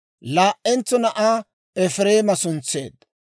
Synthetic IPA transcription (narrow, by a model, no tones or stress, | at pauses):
laːʔːɛnt͡sːɔnɐʔaː | ɛfɾe̞ːmɐsʊnt͡sːe̞ːd̪̚